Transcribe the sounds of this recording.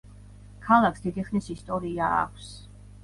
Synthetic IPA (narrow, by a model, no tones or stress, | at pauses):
kʰalˠaksd̪id̪iχnisist̪ʼɔɾiaa̰kʷʰs